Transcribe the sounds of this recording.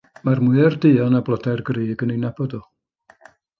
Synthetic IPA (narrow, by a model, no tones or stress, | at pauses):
marmʊɨərdɨɔnablˠɔdarɡriːɡənenɛbɔdɔ